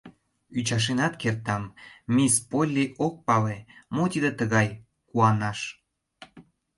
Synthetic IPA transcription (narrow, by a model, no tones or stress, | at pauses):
yt͡ɕɑʃ̬enɑt̪kert̪ɑmːispolʲːiʔok̚pɑlemot̪id̪et̪əɣɑj | kuɑnɑʃ